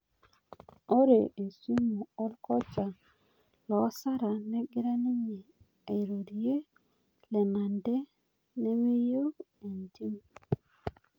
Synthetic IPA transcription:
o˦ɾe˨e˨su˦mu˨ɔ˦lkɔ˦t͡ʃa˨ | lɔ˨˦sa˦ɾa˨nɛ˦ɡɪ˦ɾa˦ni˦ɲe˨ | e˨ɾo˨ɾi˨je˦ | lɛ˨ma˨ndɛ˦ | nɛ˦we˦jo˦e˨ndi˦m

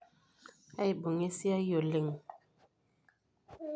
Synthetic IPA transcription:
a˦jbo˨ŋe˦si˦a˦jo˨li˨ŋ

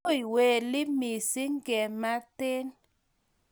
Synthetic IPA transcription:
i˨we˨lɪ˦mi˨si˦ŋɡɛ˨ma˦tɪ˦n

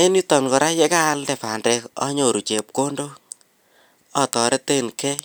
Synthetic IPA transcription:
e˦ni˦tɔ˨ŋkɔ˨ɾa˦je˦ka˦ldɛ˨pa˨ndɛ˧kɔ̰˦ɲo˨ɾu˨t͡ʃe˨p̚ko˦ndo˦ | ɔ˦tɔ˨ɾe˦te˦˨nkɛ˦

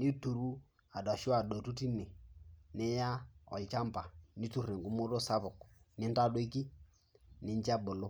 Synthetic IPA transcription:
ni˦tu˨ɾu˦ | a˨dɔ˨ʃʊ˦a˨dɔ˨tu˦ti˦ne˨nɪ˦ja˦ɔ̰˨lt͡ʃa˦mpa˨ni˦tu˦˨ɾi˨ŋɡu˦mo˦ɾo˦sa˦βʊ˨knɪ˦nta˦do˦i˦ki˦ | nɪ˦ɲt͡ʃa˦bo˨lo˦

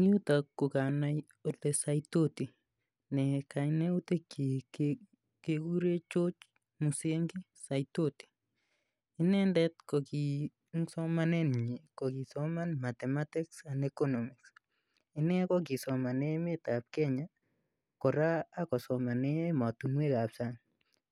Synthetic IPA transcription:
ŋi˦u˦ta˨kːʊ˨ka˨naj | o˨le˨sajtoti˨ | nɛ˨ka˨jne˦u˦te˦ki | keku˦ɾe˦t͡ʃo˦t͡ʃ | mu˨seŋɡi˦ | sajto˦ti̥˨ | ɪ˦nɛ˦ndɛ˦t̚kɔ˨ki˨ | ŋsɔ˦ma˦nɛ˦nɲi˨kɔ˨ki˨sɔ˦ma˦nma˨tɛ˨ma˦tɪ˦ksa˨nɛkɔ˦nɔ˨mɪ˨ks | ɪ˦nɛ˦kɔ˦k̬i˨sɔ˨ma˨nɛ˦me˦ta˨p̚kɛ˦ɲa˦ | kɔ˨ɾaː˦kɔ˨sɔ˨ma˨nɛ˦ma˨tu˨nwe˦ɣa˨psa˦ŋ

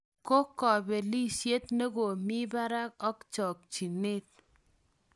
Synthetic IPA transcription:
ko˦kːɔ˨be˨li˦sje˦t̪ne˦ɡo˨mi˦ba˦ɾa˦k̚ɔ˦kt͡ʃɔ˨k̚t͡ʃi˨ne˦t̚

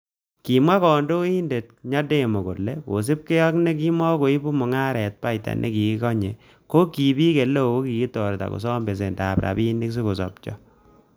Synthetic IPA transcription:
ki˨mwa˦kɔ˨ndo˦i˦nde˨t̚ɲa˦de˦˨mo˨ko˨lːe˦ko̰˨s̬i˦p̚ke˦jɔ˦kne˦k̬i˦mɔ˦ko˨i˦bu˦mɔ˨ŋa˦ɾɛ˨t̚pa˦i˨ta̰˨nʔḛ˦ki˨ki˦kɔ˦ɲe˨ | ko˦ki˨pi˦ke˨lo˦˨ko˦ki˨ki˦tɔ˨ɾta̰˨ko̰˨s̬ɔ˦mbe˨s̬e˨ndaː˨pɾa̰˨pi˦ndi˦ks̬i˦ko˨sɔ̰˨p̚t͡ʃɔ̰˦

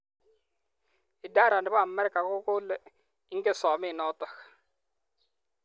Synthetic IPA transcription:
ɪ˨da˦ɾa˨ndɪ˦ba˦a˨mɛ˦ɾka˨kʊ˦kʊ˦l | i˦ŋ˦ɡɪ˦sɔː˨mi˦˨nɔ˦tɔ˨k

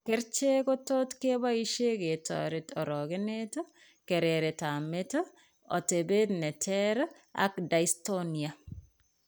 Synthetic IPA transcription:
kɛ˦ɾt͡ʃe˦ɡo˦to˦tke˦ba˦i˦ʃe˦ɡe˨tɔ̰˨ɾetɔ˨ɾɔ˨ɡe˦ne˦t | ke˨ɾeɾe˨ta˨me˦t | ɔ̰˨te˨be˦d̪nɛ˨tʰɛɾ | a̰˦kda˨isto˦nia˨

